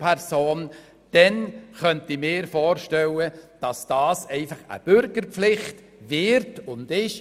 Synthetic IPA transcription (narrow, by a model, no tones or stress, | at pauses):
pʰɛɾsoːn | d̥ɛnχœntimɪːɾfɔːɾʃtɛləd̥ɑsd̥ɑːsɛɪfɑχə̰b̥ʏɾɡəɾpflɪχt | vɪɾtʊnd̥ɪʃ